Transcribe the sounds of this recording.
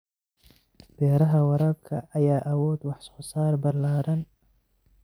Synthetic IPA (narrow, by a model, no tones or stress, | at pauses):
b̥ɛːɾɐɦɐwɐɾɐb̚kʰɐ̰ʔɐjaːʔɐwɔːd̪wɑħsχʊsaːɾbɐɾlaːɾɐn